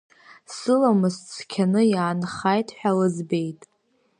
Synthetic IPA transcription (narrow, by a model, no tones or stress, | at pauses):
sɨlamɨzt͡sʰkʲʰanɨjaːnχajtʼħʷᶣalɨzbe̞jtʼ